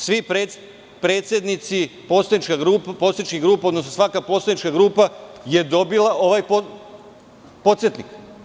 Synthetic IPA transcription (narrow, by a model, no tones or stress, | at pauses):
sʋipɾe | pɾe̞ːt̪sʲjed̪nit̪sipo̞ːt̪sajnit͡ʃkaɡɾuːppo̞sit͡ʃkiɡɾuːpao̞d̪nosnosʋakapot̪sajnit͡ʃkaɡɾuːpaje̞d̪o̞bilaʔo̞ʋajpo | po̞t̪sjet̪nik